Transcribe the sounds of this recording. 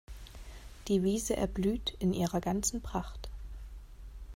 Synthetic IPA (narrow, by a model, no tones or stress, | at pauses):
d̥iːviːzəʔɛ̰ɐblyːtɪnʔiːʁɐɡant͡sn̩pʁ̥aχt